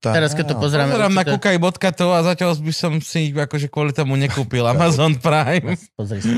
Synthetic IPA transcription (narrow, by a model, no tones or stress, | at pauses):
t̪aɛɾaskɛt̪ːɔpɔzɛɾaːmzɛɾaːmnakukajbɔt̪kat̪ɔazacalbisɔmsiakɔʒɛkwɔlit̪ɔmuɲɛkuːpilamazɔːnpɾajm | pɔzɾi